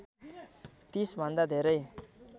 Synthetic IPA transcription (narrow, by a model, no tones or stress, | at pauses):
t̪isbʱʌnd̪ad̪ʱeɾʌj